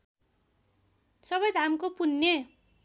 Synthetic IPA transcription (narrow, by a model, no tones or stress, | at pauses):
sʌbʌjd͡zɦamkopunːe